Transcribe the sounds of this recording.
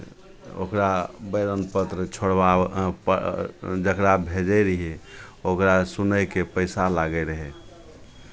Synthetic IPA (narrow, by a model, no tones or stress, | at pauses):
o̰kɾabəɪɾənpət̪ɾət͡ʃʰoɽbap | d͡ʒəkɾabʱed͡ʒəjɾiɦɛokɾasunəjkepəɪsalaɡəɪɾəɦɛ